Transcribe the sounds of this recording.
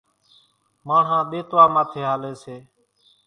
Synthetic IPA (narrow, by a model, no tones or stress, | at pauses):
mãːɦãːɗ̪eːt̪ʋaːmaːt̪ʰeːɦaːleːseː